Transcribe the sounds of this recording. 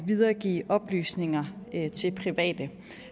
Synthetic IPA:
ʋið̞ˠɐːɡ̥ḭːʔɒ̽b̥ly̰ːsne̝ŋɐt͡sʰe̝lpʰʁiʋɛ̰ːd̥ə

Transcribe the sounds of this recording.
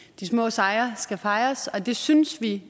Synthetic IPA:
d̥ismɔ̰̽ːsɑ̈ɪɐsɡ̥æfɑ̈ɪɐsɒ̽d̥e̝synsʋi

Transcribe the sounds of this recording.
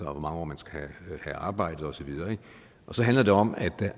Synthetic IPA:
ʋɒmɑ̈ŋəɒ̰ːmænsɡ̥æhæhæɑ̈ːb̥ɑ̈ɪ̰d̥ð̩ˠɒ̽sɒ̽ʋið̞ˠɐːeɡ̥ | ʔɒ̽sɒ̽ɦænlɐd̥e̝ɒ̽m̰æd̥æ

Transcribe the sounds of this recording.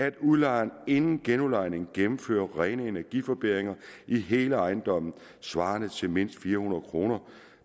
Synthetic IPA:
æd̥uðˠlɑ̈ɪne̝nn̩ɡ̥enulɑ̈ɪne̝ŋ̩ɡ̥emm̩fø̰ːɐʁɛːnəe̝næɐɡ̥ifɒ̽b̥e̝̰ʁeŋɐʔiɦe̝ːləɑ̈ɪn̩d̥ɒ̽m̰n̩ | sʋɑ̈ːnət͡sʰe̝lme̝n̰sd̥fiːɐhunɐð̩ˠkʰʁo̝̰ːnɐ

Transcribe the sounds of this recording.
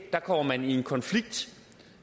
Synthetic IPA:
d̥ɑ̈kʰɒm̰ɐmænie̝nkʰɒ̽nfliɡ̥̚d̥

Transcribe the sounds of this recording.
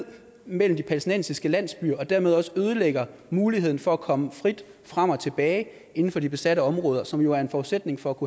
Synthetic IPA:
ð̰ˠ | mel̰m̩d̥ipʰælsd̥inen̰sisɡ̥əlæn̰sb̥y̰ːɐɒ̽d̥æɐ̰me̝ð̞ˠɒ̽sə̥øːð̞ˠəleɡ̥ɐmuːliheð̰ˠn̩fɒ̽ækʰɒ̽məfʁid̥ | fʁam̰ɒ̽t͡sʰe̝b̥ɛːɪ | e̝n̩fɒ̽d̥ib̥e̝sæɾəɒ̽mʁɔ̽ːðˠɐsɒ̽mjo̝æɐe̝nfɒːudsed̥ne̝ŋfɒ̽ækʰu

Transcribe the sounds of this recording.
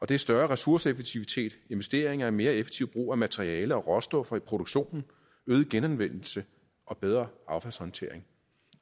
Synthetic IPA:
ɒ̽d̥e̝æsd̥ɶɐʁɛsuɐsəefeɡ̥̚t͡sʰiʋit͡sʰe̝̰ːd̥e̝nʋe̝sd̥e̝ɐeŋɐæme̝ːɐefeɡ̥t͡sʰiʊb̥ʁṵːæmæt͡sʰeʁiɛːləɒ̽ʁɒ̽sd̥ɔfɒ̽ipʰʁo̝d̥oɡ̥ɕo̝̰ːnn̩ | øːðˠɡ̥enænʋen̰l̩sə | ʔɒ̽b̥eð̞ˠʁɐɑ̈ʊfæl̰shɒ̽nt͡sʰe̝̰ɐ̰eŋ

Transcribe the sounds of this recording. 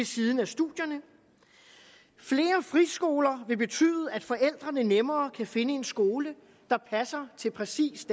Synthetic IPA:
e̝siðˠn̩æsd̥uðˠjɐnə | fle̝ːɐfʁisɡ̥o̝ːlɐʋe̝b̥e̝t͡sʰy̰ːð̩ˠəæd̥fɒ̽ʔel̰d̥ʁɐnənemɐːkʰæfe̝nəe̝nsɡ̥o̝ːlə | d̥ɑ̈pʰæsɐt͡sʰe̝lpʰʁɛsḭːsd̥

